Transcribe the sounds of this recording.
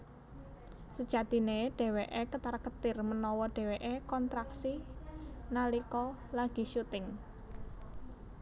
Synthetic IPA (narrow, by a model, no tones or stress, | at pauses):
səd̥ʒ̥ä̤d̪̥i̤neɖ̥e̤weʔekət̪arkət̪ɪrmənɔwɔɖ̥e̤weʔekɔnt̪ɾaksi | nalikɔlaɡ̥i̤ʃut̪ɪŋ